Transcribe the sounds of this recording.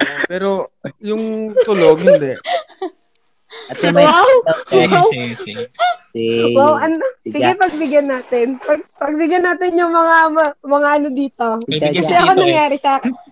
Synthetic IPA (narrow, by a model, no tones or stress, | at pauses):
pɛːɾojʊŋt̪ʊloɡhɪd̪ɛʔ | ɐt̪ɐmawaw | wawʔɐnosɪɡɡɛpɐɡ̚bɪɡjɐnːaːt̪ɛnpɐɡ̚pɐɡ̚bɪɡjɐnːaːt̪ɪnjʊŋmɐŋamɐmɐŋaʔɐnod̪iːt̪o̞ɐɛɐkonɐŋjaːɾɪsaːkɪn